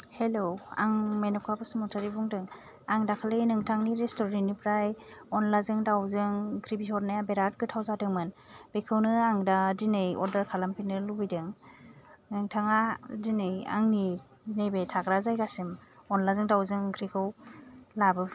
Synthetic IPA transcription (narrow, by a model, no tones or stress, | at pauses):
helowa̰ŋmenɔkʰapasumɔtʰaɾibuŋdɯŋ | aŋdakʰalɯjnɯŋtʰaŋniɾestɔɾninɯpʰɾajɔnlazɯŋdawzɯŋkʰɾibisɔɾnajabeɾat̚kɯtʰawzadɯŋmɯnb̥ekʰɯwnɯaŋdadinɯjɔ̰ɾdaɾkʰalampʰinɯlubijdɯŋ | nɯŋtʰaŋadinɯja̰ŋni | nebetʰakɾazajɡasɯmɔnlazɯŋdawzɯŋkʰɾikʰɯwlabɯ